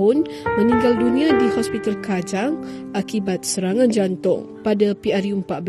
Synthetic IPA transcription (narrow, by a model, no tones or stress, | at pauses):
ʊnmə̃nĩŋɡaldunĩadihɔspit̪alkad͡ʒaŋ | ʔakibat̪̚səɾaŋãnd͡ʒant̪ʊ̰ŋ | padapiarjuəmpaʔ̪̚bə